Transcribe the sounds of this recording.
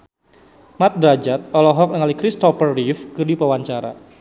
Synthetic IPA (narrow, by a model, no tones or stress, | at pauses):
mat̪̚bɾad͡ʒat̪̚ɔlɔɦɔk̚nəŋalikɾist̪ɔfərːifkɨrdipəwaɲt͡ʃaɾa̰